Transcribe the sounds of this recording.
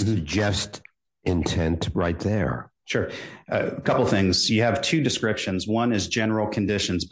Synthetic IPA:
ðɨd͡ʒʌst | ɪ̃ntʰɛ̃ntɹaɪt̪̚ðə̰˞ | ʃʊɹ | kʰʌpl̩ˠθɪ̃ŋz̥jɨːv̥tʰʉdɨskɹɪpʃɨ̃nzwʌ̃nɨzd͡ʒɛnə˞l̩ˠkʰɨ̃ndɪʃɨ̃n̩zb

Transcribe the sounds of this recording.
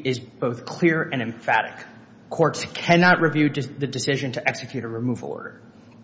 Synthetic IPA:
ɪzb̥oʊθkʰl̥ɪɹɨ̃ñɨ̃ɱfæ̰ɾɪ̰kʰː | ɔɹtskʰɛnɑʔ̚ɹɨvjʉðɨdɨsɪʒɨ̃ntʰɨʔɛksɨkʰj̥ʉɾəɹɨmuvl̩ˠɔ̰ɹɾə̰˞

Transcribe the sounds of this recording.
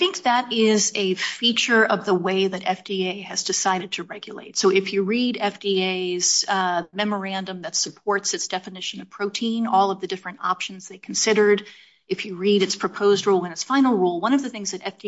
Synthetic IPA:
aθɪ̃ŋk̚ðəɾɪzɨfit͡ʃə˞ʔʌvðəweɪðɨɾɛfd̥ieɪɨzdɨsaɪɾɨd̚tʰɨɹɛɡjɨlḛɪtsoʊɨfjɨɹiɾɛfd̥ieɪz̥mɛmə˞æ̃ndə̃mðɨtsɨpʰɔɹtsɨtsd̥ɛfɨnɪʃɨ̃nʌv̥pʰɹ̥oʊtʰĩnɔlˠʌvðɨdɪfɹɨ̃ntɑ̰pʃn̩zðeɪkʰn̩sɪɾə˞ɾ | ɨfjɨɹiɾɨtspʰɹ̥ɨpʰoʊzd̚ɹulˠə̃nɨtsfãɪ̃nl̩ˠɹulˠwʌ̃ñʌvðɨθɪ̃ŋzðɨɾɛfd̥i

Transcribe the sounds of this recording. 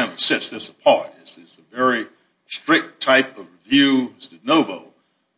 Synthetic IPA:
ɪ̃nisɪ̃sðɨtsəpʰɑɹɾɪzɪsɨvɛɹi | stɹ̥ɪk̚tʰaɪpʌvɹɨvjʉstɨnoʊvoʊ

